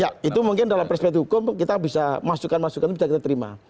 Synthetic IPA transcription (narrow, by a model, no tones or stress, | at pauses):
jait̪umuŋkɪndalampɛrspɛkt̪hɦukʊmkit̪abisamasukanmasukanbisakit̪at̪əɾima̰